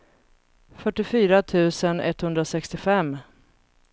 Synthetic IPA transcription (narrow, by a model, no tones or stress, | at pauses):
fœʈːɪfyːɾat̪ʰʉ̟ːsənɛ̰t̪ːhɵnd̪ɾasɛkst̪ɪfɛmː